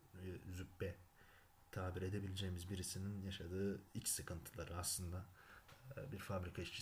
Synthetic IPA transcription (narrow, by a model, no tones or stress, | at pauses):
zypːɛ | t̪ʰaːbiɾe̞d̪e̞bilʲed͡ʒejmizbiɾisininjaʃad̪ɯːit͡ʃsɯkʰɯnt̪ʰɯlˠaɾɯaslˠɯnd̪a | biɾfabɾikʰaiʃt͡ʃʰi